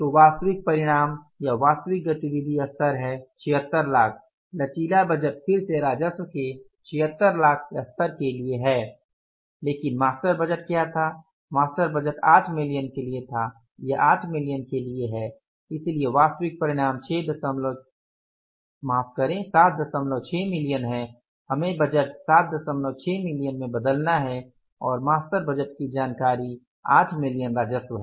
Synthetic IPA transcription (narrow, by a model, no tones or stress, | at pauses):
t̪oʋaːst̪əʋɪk̚pɐɾɪɽ̃aːm | jaʋaːst̪əʋɪk̚ɡɐt̪iʋɪd̪ʱiɐst̪əɾɦɛt͡ʃʰɪɦət̪ːəɾlaːkʰ | lɐt͡ʃiːlabəd͡ʒəʈ̪pʰɪɾseɾaːd͡ʒəswke | t͡ʃʰɪɦət̪ːəɾlaːkʰɐst̪əɾkelieɦɛː | leːkɪnmaːstəɾbəd͡ʒəʈ̚kjat̪ʰa | maːstəɾbəd͡ʒəʈaːʈʰmɪlijənkeliet̪ʰa | jeʔaːʈʰmɪlijənkelieɦɛ | ɪslieʋaːst̪ʋɪk̚pɐɾɪɽ̃aːmt͡ʃʰeːd̪ɐsəmlo | maːfkɐɾẽsaːt̪̚d̪ɐsəmlot͡ʃʰɛːmɪlijənɦɛ̃ | hɐmẽbɐd͡ʒəʈsaːt̪̚ʰd̪ɐsəmloːt͡ʃʰɛːmɪlijənmẽbɐd̪əlnaɦɛ | ɔːɾmaːst̪əɾbəd͡ʒəʈkid͡ʒaːnkaːɾi | aːʈʰmɪlijənɾaːd͡ʒəswɦɛ